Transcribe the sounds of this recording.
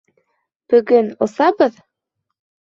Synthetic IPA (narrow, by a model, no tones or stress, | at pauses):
pøɡɘnosɑbɤð